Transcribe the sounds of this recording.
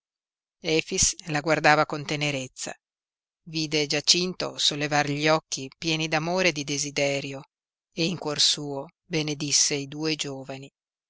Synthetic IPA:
ɛːfislaɡward̪aːvakont̪eneɾet̪sːa̰ | viːd̪ed͡ʒat͡ʃint̪o̰solːevarʎiɔkːipjɛːnid̪amoːɾed̪id̪ezid̪ɛːɾjo | eiŋkworsuːo | bened̪isːeid̪uːed͡ʒoːvani

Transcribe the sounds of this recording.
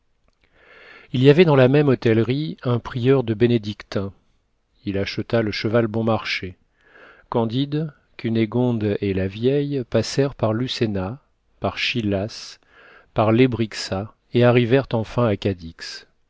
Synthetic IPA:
ilijavɛd̪ɑ̃lamɛmɔt̪ɛlʁiɛ̃pχijœʁd̪əbened̪ikt̪ɛ̃ | ilaʃət̪aləʃəvalbɔ̃maʁʃe | kɑ̃d̪id̪ | kʰyneɡɔ̃d̪elavjɛjpasɛʁpaʁlysena | paʁʃilas | paʁlebʁiksa | eaʁivɛʁt̪ɑ̃fɛ̃akad̪iks

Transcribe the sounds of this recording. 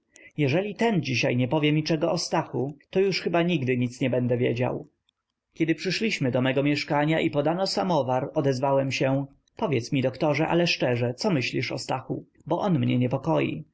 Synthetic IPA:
jɛʐɛlʲit̪ɛnd͡ʑiɕajɲɛpɔvʲjɛmʲit͡ʂɛɡɔʔɔst̪axut̪ɔjuʂxɘbaɲiɡd̪ɘɲit̪sɲɛbɛnd̪ɛvʲjḛd͡ʑa̰w | kʲɛd̪ɘpʂɘʂlʲiɕmɘd̪ɔmɛɡɔmʲjɛʂkaɲaʔipɔd̪anɔsamɔvaɾɔd̪ɛzvawɛmɕɛ | pɔvʲjɛt̪smʲid̪ɔkt̪ɔʐɛʔa̰lɛʂt͡ʂɛʐɛt̪sɔmɘɕlʲiʂɔ̰st̪axu | bɔʔɔnmɲɛ̰ɲɛpɔkɔjḭ

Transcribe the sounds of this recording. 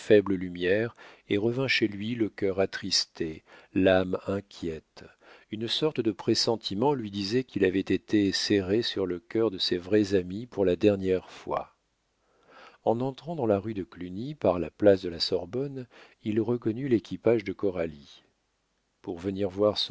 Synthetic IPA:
fɛbləlymjɛʁeʁəvɛ̃ʃelɥiləkʲœʁat̪χist̪elamɛ̃kʲʰjɛt̪ | ynsɔʁt̪əd̪əpχesɑ̃t̪ʰimɑ̃lɥid̪izɛkilavɛt̪et̪eseʁesyʁləkʲœʁd̪əsevʁɛzamipuʁlad̪ɛʁnjɛʁfwa̰ | ɑ̃nɑ̃t̪χɑ̃d̪ɑ̃laʁyd̪əklynipaʁlaplasd̪əlasɔʁbɔn | ilʁəkɔnylekʲipaʒd̪əkɔʁali | puʁvəniʁvwaʁs

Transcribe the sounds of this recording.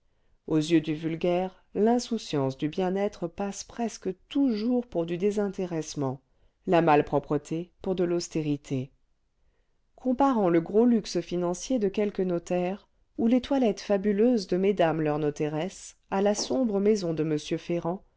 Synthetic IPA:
ozjød̪yvylɡʲɛʁ | lɛ̃susjɑ̃sd̪ybjɛ̃nɛt̪χəpaspχɛskət̪uʒuʁpuʁd̪yd̪ezɛ̃t̪eʁɛsmɑ̃ | lamalpχɔpχət̪ʰepuʁd̪əlɔst̪eʁit̪ʰe | kʰɔ̃paʁɑ̃ləɡʁolyksfinɑ̃sjed̪əkʲɛlkənɔt̪ɛʁ | ulet̪walɛt̪fabyløzd̪əmed̪amlœʁnɔt̪eʁɛs | alasɔ̃bʁəmɛzɔ̃d̪əməsjøfeʁɑ̃

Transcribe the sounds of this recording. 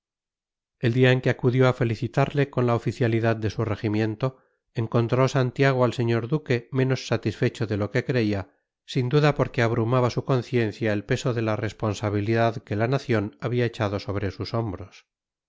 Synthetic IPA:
e̞ld̪iaeŋke̞akuðjo̞afe̞liθit̪aɾle̞ko̞nlaofiθjaliðað̚d̪e̞sure̞ximjẽ̞nt̪o̞ | eŋko̞nt̪ɾo̞sant̪jaɣ̞oalse̞ɲo̞ɾðuke̞mẽ̞no̞sːat̪isfe̞t͡ʃo̞ðe̞lo̞ke̞kɾe̞ia | sind̪uðapo̞ɾke̞aβɾumaβasuko̞nθje̞nθjaelpe̞so̞ðe̞lare̞spo̞nsaβ̞iliðaðke̞lanaθjo̞naβiae̞t͡ʃað̞o̞so̞β̞ɾe̞suso̞mbɾo̞s

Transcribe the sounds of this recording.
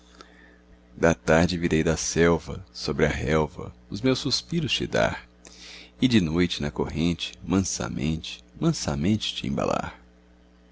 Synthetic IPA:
d̪ɐt̪aɾd͡ʒɪviɾejd̪ɐsɛwvɐ̰sobɾɪɐɦɛwvɐ̰ʊzmewsuspiɾʊst͡ʃɪd̪a̰ɾ | ɪd͡ʒɪnojt͡ʃɪnɐkoɦẽnt͡ʃɪ̥mɐ̃sɐ̰mḛ̃nt͡ʃɪ̥mɐ̃sɐ̰mẽnt͡ʃɪ̥t͡ʃɪẽba̰la̰ɾ

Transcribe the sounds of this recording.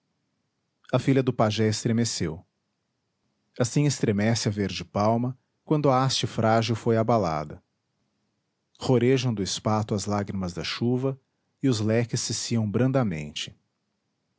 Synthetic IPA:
ɐfiʎɐd̪ʊpaʒɛɪst̪ɾemesew | asĩɪst̪ɾemɛsɪɐveɾd͡ʒɪpawmɐ | kwɐ̃nd̪ʊɐast͡ʃɪfɾaʒiwfojabala̰d̪ɐ | hoɾeʒɐ̃w̃d̪ʊɪspat̪ʊɐzlaɡɾimɐzd̪ɐʃuvɐ | ɪʊzlɛkɪsːɪsiɐ̃w̃bɾɐ̃nd̪ɐmḛ̃nt͡ʃɪ̥

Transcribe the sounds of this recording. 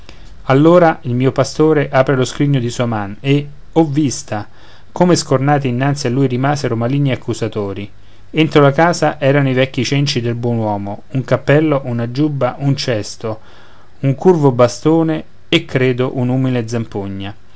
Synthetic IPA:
alːoːɾailmiːopast̪oːɾeʔaːpɾeloskɾiɲːod̪isuːamane | ɔvːist̪a | komeskornaːt̪iːnːant̪sialːuːjɾimaːzeɾomaliːnːiakːuzat̪oːɾi | ent̪ɾolakaːzaʔɛːɾanoivɛkːit͡ʃɛnt͡ʃid̪elbwɔnwɔːmouŋkapːɛlːoʔunad͡ʒubːaʔunt͡ʃɛst̪o | uŋkurvobast̪oːneː | kːɾeːd̪oʔunuːmiled̪zampoɲːa

